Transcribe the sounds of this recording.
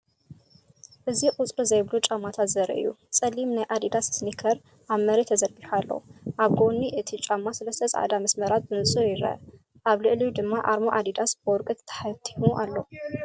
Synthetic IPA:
ʔɨziqʼut͡sʼɾizɐjβlut͡ʃʼamːat̪ʰat̪zɐɾɐ̰ɨ̰jːṵt͡sʼɐlːimnajʔad̪id̪assnikʰɐɾ | ʔaβmɐɾet̪ʰːɐzɐɾɡiħualːo̰ʔaβɡonːiʔɨt̪ʰit͡ʃʼamːasɐlɐst̪ʰɐzʕa̰d̪amɐsmɐɾat̪̚bɨnɨsʼɨɾjɪɾɐ̰ | ʔaβlɨʔliud̪ɨmːaʔaɾmoʔad̪id̪asb̥ɨwɔɾkʼɨt̪t̪ʰːɐ̥ħat̪ʰːi̥muʔalːo̞

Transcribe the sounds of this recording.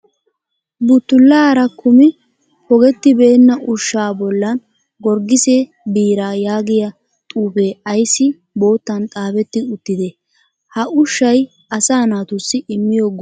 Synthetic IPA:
bʊt̪ːʊlːaːɾɐkʊmɪ | hɔɡɛt̪ːɪbe̞ːnːɐʔʊʃːaːbɔlːɐn | ɡɔɾɡɪseː | biːɾaːjaːɡɪjɐ | t̪ʼuːbeːɐjsːɪ | bo̞ːt̪ːɐnt̪ʼaːbɛt̪ːɪʊt̪ːɪd̪ɛ | hɐʔʊʃːɐj | ɐsaːnaːt̪ʊsːɪɪmːɪjɔɡ

